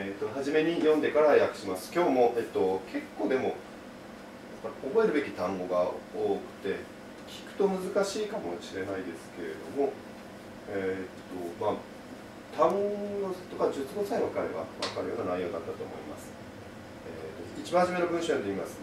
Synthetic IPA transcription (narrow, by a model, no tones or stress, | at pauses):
et̪ːo̞ɦaʑime̞ɲ̟ijõ̞nd̪e̞kaɾahajakɯ̟̥ɕimasɨ̥kʲo̞ːmo̞ʔet̪ːo̞kʰe̞kːo̞ːd̪e̞mo̞ | japːaɾʲio̞bo̞e̞ɾɯ̟be̞kʲi̥t̪ãŋɡo̞ɡaoːkɯ̟̥t̪e̞ | kʲi̥kɯ̟̥t̪o̞mɯ̟zɨkaɕiːkamo̞ɕiɾe̞naid̪e̞sɨ̥ke̞ɾe̞̰d̪o̞̰mo̞ | et̪ːo̞ma | t̪ãŋɡot̪okad͡ʑɨt͡sɨɡo̞saĩkaɾeβa̰βakaɾɯ̟jo̞ːnɡanaijːo̞ːd̪at̪ːat̪o̞ːmo̞ima̰sɨ̥ | ḛt̪ːoit͡ɕibãhaʑime̞nobɯ̟ɰ̃ɕojond̪eimasɨ